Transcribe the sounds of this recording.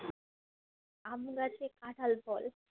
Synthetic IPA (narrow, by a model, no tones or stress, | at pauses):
amɡat͡ɕekaʈʰəlbɔl